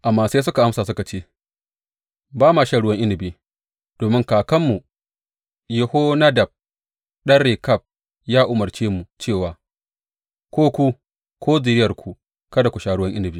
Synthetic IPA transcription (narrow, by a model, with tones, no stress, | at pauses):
ʔa˨mːaː˦seː˦s̬ʊ˦ka˨ʔa˦msaː˨sʊ˦ka˨t͡ʃeː˦ | baː˦maː˨ʃaː˨ɽʊ˦wɐ˦ŋʔɪ˦nɪ˨biː˦ | d̥oː˨mɪ˦ŋkaː˨kɐ˦mːu˨ | jɪ˨hoː˦na˦dɐ˨b̚ | ɗɐ˦rːeː˨kɐ˦˨p̚ | jaː˦ʔʊ˨mɐ˨rt͡ʃeː˦mu˨t͡ʃeː˦˨waː˨ | kʷoː˦kʷu˦ | kʰʷoː˦zɪ˨ɾɪ˦jɐ˨rkʷʰu˨ | kɐ˦da˨kʷu˨ʃaː˨ɽʊ˦wɐ˦ŋʔɪ˦nɪ˨biː˦